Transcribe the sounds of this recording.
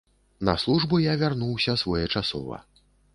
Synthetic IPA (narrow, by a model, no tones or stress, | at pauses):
nɐ̰slˠuʐbujavʲarnuwsʲɐsvɔjɛt͡ʂasɔ̰vɐ̰